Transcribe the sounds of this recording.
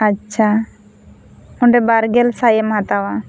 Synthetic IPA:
atːt͡ʃʃʰa | ɔɳɖɛbaɾɡɛlsajɛmɦat̪awa

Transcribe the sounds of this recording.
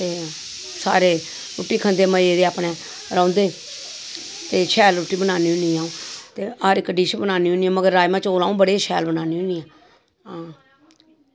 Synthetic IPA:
t̪eː | sa̰ːɾeː | ɾʊʈːiːkʰənd̪eːməeːɾeːaːpneː | ɾãːnd̪eː | t̪eːʃʰɛːlɾʊʈːiːbənaːniːʊniːaːũːt̪eːaːɾɪkːəɖiːt͡ʃbənaːniːɦʊniːãːməɡəɾːaːjmãːt͡ʃoːlãːũːbəɽeːʃʰɛ̰ːlbənaːniːɦʊniːãː | ãː

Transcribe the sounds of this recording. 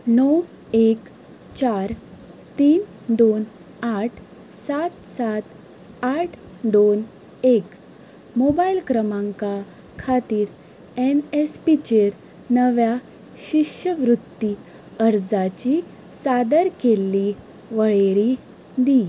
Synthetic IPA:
nɔw | ek | t͡ɕaɾt̪iːn | d̪on | aʈʰ | sat̪sat̪ | aʈʰ | d̪on | ek | mobailkɾəmãŋka | kʰat̪iːɾ | enespit͡ɕeɾ | nəʋja | ɕiɕəʋɾut̪ːi | əɾd͡zat͡ɕi | sad̪əɾkelːi | ʋəɭeɽi | d̪i

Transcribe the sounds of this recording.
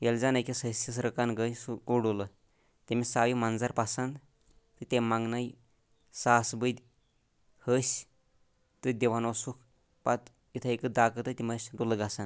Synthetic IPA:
jeld͡zanajkisəsisɾəkanɡəjsuɡuɽulə | t̪emisaʋimand͡zaɾpasand̪ | t̪ət̪emaŋɡnai | sasbəd̪ʲ | həɕ | t̪ɨd̪ʲeʋanosuk | pat̪ | it̪ʰəekəd̪akət̪ət̪imasʲɖuləɡasand̪

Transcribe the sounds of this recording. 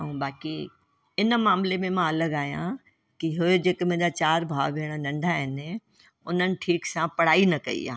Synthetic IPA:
ɐũːbaːki | ɪnmaːmlemẽmãɐləɡaːɦijã̰ | kiɦʊed͡ʑeːkmɐ̃ɦɪ̃ɲd͡ʑat͡ɕaːɾbʱaːʋʋeːɽ̃ənɐ̃ɳɖʱaːɦɪnɪ | ʊn̤ənɪ̆ʈʰiːksãpɐɽ̤aːinɐkɐ̰ḭa̰ː

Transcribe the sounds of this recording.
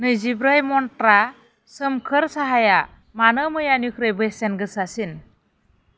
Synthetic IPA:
nɯjzibɾajmɔnʈɾa | səmkʰəɾsaɦaja | manəmɯjanjukʰɾɯjbɯsenɡɯsasin

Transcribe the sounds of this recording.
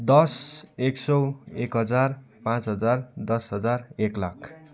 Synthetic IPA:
d̪ʌseksʌwekɦʌd͡zar | pãt͡sɦʌd͡zard̪ʌsɦʌd͡zareklakʰ

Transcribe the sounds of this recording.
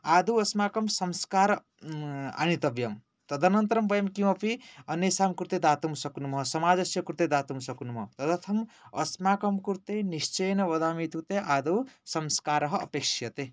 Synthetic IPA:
ad̪uwɐsmaːkɐmsʌmskaːɾ | a̰nit̪ɐbjɐm | t̪ɐd̪ʱɐnʌnt̪ɾɐmbɐjɐmkiw̃ʌpʰiʌnjesamkuɾt̪ed̪at̪umsʌknumɦʌsɐmaːd͡zɐsjɐkuɾt̪ed̪at̪umsʌknumʌt̪ʌd̪ɐt̪ʰɐmʌ̰smaːkɐmkuɾt̪enist͡ʃejnɐʋɐd̪amit̪ʰut̪eʔad̪ɐwsɐmskaːɾɐɦʌ̰ːpekʂjɐt̪e

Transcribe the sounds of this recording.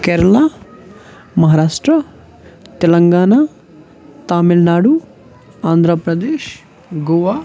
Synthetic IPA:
keːɾɐɭa | mɐɦaːɾaːʂʈɾɐ | t̪ɛlɐŋɡaːɳaː | t̪aːmilnaːɽu | aːnd̪ʱɾɐpɾɐd̪eːʃ | ɡoʋaː

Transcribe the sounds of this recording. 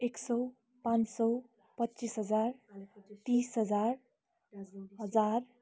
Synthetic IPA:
eksʌ | pãnsʌw | pʌtːt͡ʃisɦʌd͡zaɾt̪isɦʌd͡zaɾ | ɦʌd͡zar

